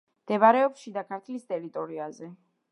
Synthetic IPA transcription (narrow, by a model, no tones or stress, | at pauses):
md̪̥ɛbaɾɛɔpʃid̪akʰaɾt̪ʰlist̪ʼɛɾit̪ʼɔɾiazɛ